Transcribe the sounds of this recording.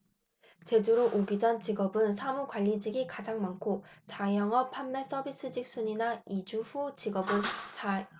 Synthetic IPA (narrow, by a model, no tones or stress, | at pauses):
t͡ɕe̞d͡ʑuɾoʔoɡid͡ʑʌnt͡ɕiɡʌbɯnsʰamukwaʎːid͡ʑiɡikad͡ʑaŋmaŋkʰot͡ɕajʌŋʌpʰamːe̞s͈ʌbis͈ɯd͡ʑik̚s͈uɲinaid͡ʑuɸut͡ɕiɡʌbɯnt͡ɕa